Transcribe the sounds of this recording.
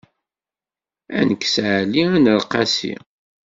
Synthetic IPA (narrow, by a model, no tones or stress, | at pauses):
æ̰nəkːsʕliænəɾqɑsḭ